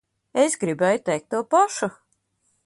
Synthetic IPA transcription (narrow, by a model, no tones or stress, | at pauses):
esɡɾibɛjut̪ɛjk̚t̪ːuɔpaʃu